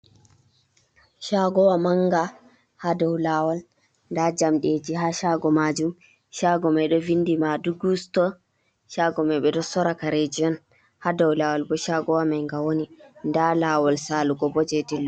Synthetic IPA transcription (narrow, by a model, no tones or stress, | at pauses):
ʃaɡɔwamaŋɡa | hadawlawal | ndad͡ʒamɗed͡ʒiɦaːʃaɡɔmad͡ʒum | ʃaɡɔmajɗɔvindimaduɡustɔ | ʃaɡɔmajɓɛdɔsɔɾakaɾed͡ʒiɔn | hadawlawalbɔʃaɡɔwamajŋɡawonindalaːwalsaːluɡɔbɔd͡ʒɛdilːɔ